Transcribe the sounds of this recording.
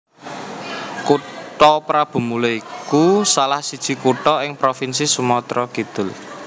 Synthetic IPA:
kuʈɔpɾab̥ṳmuloikusalahsid̥ʒ̥i̤kuʈɔɪŋpɾofinsisumɔt̪ɾɔkid̪̥ʊ̤l

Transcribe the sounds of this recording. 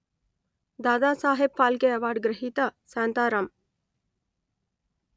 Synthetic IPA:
d̪aːd̪aːsaːɦeb̚faːlɡeɐʋaːɖɡɾɐɦiːt̪asaːnt̪aːɾɐm

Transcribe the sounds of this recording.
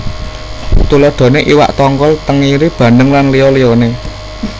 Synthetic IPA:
t̪ulɔɖ̪̥ɔ̤neʔiwa̰ʔt̪ɔŋkɔlt̪əŋiɾib̥ä̤nəŋlanlijɔlijɔne

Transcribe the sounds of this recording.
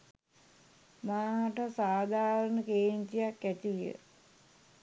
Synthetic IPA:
maːʈəsaːd̪ʱaːɾəɳəkeːɲt̪ijakːæt̪ijə̰

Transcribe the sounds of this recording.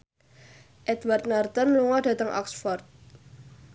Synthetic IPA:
ʔɛd̪wart̪̚nart̪ənluŋɔɖ̥ä̤t̪əŋʔɔ̰ksfɔrt̪̚

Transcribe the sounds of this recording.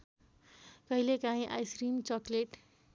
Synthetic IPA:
kʌɦilekãĩʔajsɾimt͡sʌkleʈ

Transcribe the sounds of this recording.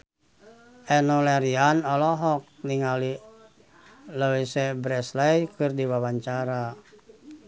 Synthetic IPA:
ʔɛnɔlɛɾianɔlɔɦɔk̚niŋali | ləwisɛbɾɛslajkɨrdiwawaɲt͡ʃaɾa

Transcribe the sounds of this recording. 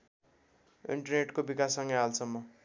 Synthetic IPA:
ḭɳʈʌrneʈkobikasːʌŋɡʌɦalt͡sʰʌmʌ

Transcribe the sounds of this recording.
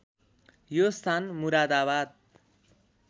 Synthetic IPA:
jost̪ʰanmuɾad̪abad̪̚

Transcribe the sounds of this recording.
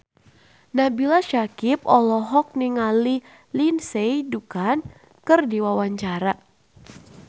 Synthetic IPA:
nabilaʃakip̚ɔlɔɦɔk̚niŋali | linsejdukan | kɨrdiwawaɲt͡ʃaɾa

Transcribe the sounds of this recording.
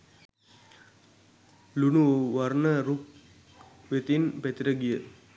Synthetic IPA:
lunuʋarnəɾuk̚ | ʋet̪inpet̪iɾəɡijə

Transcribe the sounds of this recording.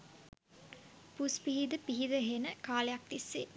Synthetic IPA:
puspiɦid̪əpiɦid̪əɦenəkaːlejak̚t̪isːe

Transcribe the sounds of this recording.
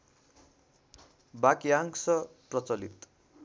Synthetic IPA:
bakiaŋsʌprʌt͡sʌlḭt̪

